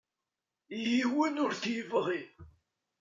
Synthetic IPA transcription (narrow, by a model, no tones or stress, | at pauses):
jiwənʊɾθjəvəʁi